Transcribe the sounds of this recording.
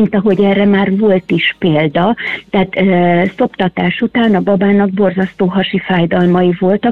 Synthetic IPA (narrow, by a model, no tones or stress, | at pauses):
int̪ɒɦo̞ɟɛːrːɛmaːrvo̞lt̪iʃpeːld̪ɒt̪ɛːt̪ːso̞pt̪ɒt̪aːʃut̪aːnɒbɒbaːnɒɡ̚bo̞rzɒst̪oːɦɒʃifaːjd̪ɒlmɒivo̞lt̪ɒ